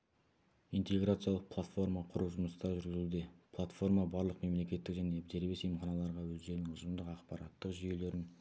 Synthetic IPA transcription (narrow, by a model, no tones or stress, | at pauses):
ijnt̪e̞ɡɾat̪sɨjalˠəq̚pʰlˠat̪fo̞ɾmɑqʰʊɾuwʒʊməst̪ɑʒʏɾɡʲɪzud̪epʰlˠat̪fo̞ɾmabɑɾlˠəqme̞mle̞kʲe̞t̪ːɪkʒæne̞d̪e̞ɾbe̞sejmχɑnɑlˠɑɾʁɑwɵzd̪e̞ɾnɪŋʊʒəmd̪əqɑqpɑɾɑt̪ːəqʒʏje̞le̞ɾɪn